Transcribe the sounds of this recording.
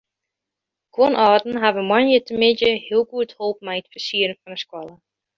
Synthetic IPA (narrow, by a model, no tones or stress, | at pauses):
konʔɔːdn̩ɦavəmanjətʰəmɪdəhiəlˠɡuəthoːp̚mɛjətfərsiəɾənfɔnəskwɔlˠə